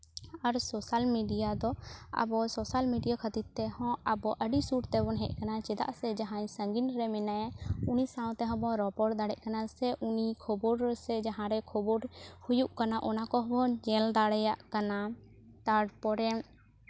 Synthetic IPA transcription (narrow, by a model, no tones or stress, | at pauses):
aɾsɔsalmiɖijad̪ɔa̰bɔsɔsalmiɖijakʰət̪id̪̚t̪ɛhɔ̃abɔʔəɖisuʈt̪ɛbɔnɦɛʔ̚ˀkanat͡ʃɛd̪a̰ʔsɛd͡ʒaɦãj̃səŋɡinɾɛmɛnajaunisãw̃t̪ɛɦɔ̃bɔ̃ɾɔpɔɾd̪aɽɛʔ̚kanasɛʔunikʰɔbɔɾsɛd͡ʒaɦãɾɛkʰɔbɔɾhujuʔkanaʔɔnakɔɦɔbɔd͡ʒɛld̪aɽɛjaʔkana | t̪aɖpɔɾɛm